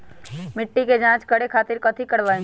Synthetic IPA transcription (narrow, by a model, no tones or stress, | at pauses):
mɪʈːiked͡ʒãt͡ʃkəɽekʰaːt̪iɾkət̪ʰikəɽʋaĩ